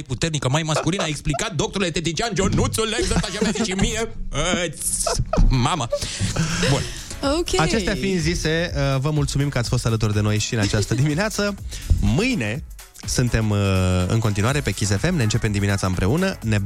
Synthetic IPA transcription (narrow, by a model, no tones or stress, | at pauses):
jput̪ernikəmajməskulinaeksplikat̪̚d̪o̞k̚t̪oɾulet̪et̪it͡ʃiand͡ʒonut̪suled̪ot̪aʃamlezt͡ʃimijet̪sʲ | mamə | bun | okʲat͡ʃe̞st̪afinzise̞vəmult̪sumimkəatsʲfo̞st̪alət̪urd̪eno̞jʃiɨnat͡ʃast̪əd̪imineat̪səmɨjne̞ | sunt̪e̞mɨ̰ŋko̞nt̪inuaɾe̞pe̞kʲisefe̞mneɨnt͡ʃe̞pe̞md̪imineatsaɨmpɾe̞unəne